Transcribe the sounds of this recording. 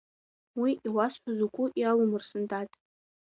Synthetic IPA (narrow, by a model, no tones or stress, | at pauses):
wiʔiwasħʷazukʷʼʊʔjawumɨrsɨndʼatʼ